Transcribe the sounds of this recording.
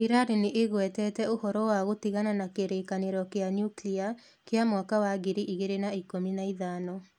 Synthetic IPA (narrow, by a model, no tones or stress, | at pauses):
iɾaɾeneʔeɣwɛtɛtɛohɔɾɔwaɣotiɣananakeɾekaneɾɔkeanjuklia | keamwakawaɡiɾiʔiɣeɾenaikominaiðaːnɔ